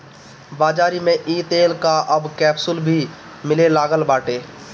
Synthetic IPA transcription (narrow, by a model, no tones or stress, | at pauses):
baːd͡ʒaːɾimẽʔiːt̪eːlkaʔəbkɛːpsʊlbʱi | mɪlelaːɡəlbaːʈeː